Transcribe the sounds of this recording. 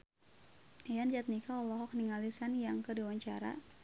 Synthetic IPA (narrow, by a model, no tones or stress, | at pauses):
jand͡ʒat̪̚nikaɔlɔɦɔk̚niŋalisanjaŋkədiwaɲt͡ʃaɾa̰